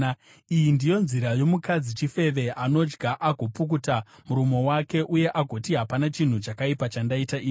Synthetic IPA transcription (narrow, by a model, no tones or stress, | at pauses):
ijindijo̞nziɾajo̞mukad͡zit͡ʃife̞ʋe̞ʔano̞d͡ʒɡaʔaɡʱo̞pukutamuɾumo̞wake̞ʔuje̞ʔaɡʱo̞tiɦapanat͡ʃin̤ut͡ʃakaipat͡ʃandaitaʔiːi